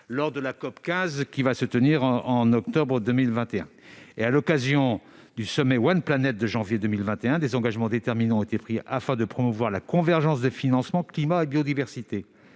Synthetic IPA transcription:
lɔʁd̪əlakɔpkʲɛ̃zkʲivasət̪əniʁɑ̃nɔkt̪ɔbʁəd̪ømilvɛ̃t̪eɛ̰̃ | ealɔkazjɔ̃ | d̪ysɔmɛwanplanɛt̪̚d̪əʒɑ̃vjed̪ømilvɛ̃t̪eɛ̃d̪ezɑ̃ɡaʒmɑ̃d̪et̪ɛʁminɑ̃ɔ̃et̪epχiafɛ̃d̪əpχɔmuvwaʁlakɔ̃vɛʁʒɑ̃sd̪əfinɑ̃smɑ̃klimaebjɔd̪ivɛʁsit̪e

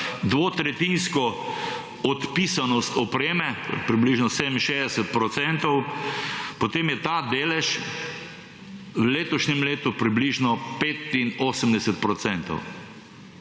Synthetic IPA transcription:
d̪ʋoːt̪ɾɛt̪inskɔ | ɔt̪pisanɔst̪ɔpɾeːmɛpɾibliʒnɔseːd̪əminʃeːzd̪ɛsɛt̪̚pɾɔt̪sɛnt̪ɔw | pɔt̪eːmjɛt̪ad̪eːlɛʃ | wleːt̪ɔʃnɛmleːt̪upɾibliʒnɔpeːt̪inoːsəmd̪ɛsɛt̪̚pɾɔtsɛnt̪ɔ̰w

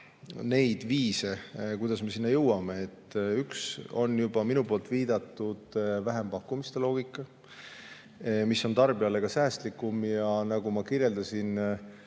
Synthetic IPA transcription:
ne̞jd̪̥viːse̞kujd̪̥ɑsme̞sinːɑjɤwɑme̞et̪ːykso̞̰njubɑminupo̞ːlt̪viːd̪ɑt̪ːud̪̥væɦe̞mpɑkːumist̪e̞lo̞ːɡ̥ikːˑɑ | misːo̞nt̪ɑrbiɑle̞ɡ̥ɑsæːst̪likːumjɑnɑɡ̥umɑkirje̞ld̪ɑsin

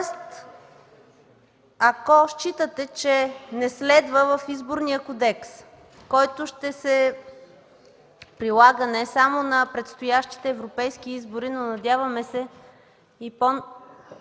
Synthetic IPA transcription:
st̪ | ɐkɔʃt͡ʃit̪ət̪ɛt͡ʃɛnɛslɛd̪vəvəfizboɾnijəkod̪ɛks | kɔjt̪oʃt̪ɛsɛ | pɾilˠaɡənɛsamonɐpɾɛt̪st̪ojaʃt̪i̥t̪ɛːvɾopɛjsk̟iizbʊɾinonɐd̪ʲjavəmɛsɛ | ipo

